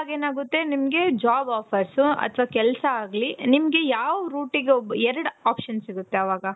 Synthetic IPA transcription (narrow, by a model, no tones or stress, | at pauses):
aɡeːnaːɡut̪ːe̞nimɐɡe̞d͡ʒaːbaːpʰɐɾsuɐ̰t̪ʰʋakɛlsɐaːɡlinimɐɡe̞jaːʋuɾuːʈiɡebɛɾɐɽaːpʂɐnsiɡut̪ːe̞ɐʋaːɡɐ